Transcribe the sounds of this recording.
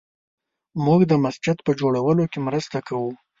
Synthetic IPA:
muɡd̪əmasd͡ʒɪd̪pəd͡ʒoɽawəlokemɾəst̪akawu

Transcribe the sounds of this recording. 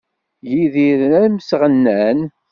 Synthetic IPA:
jiðiɾənæmsʁənːæn

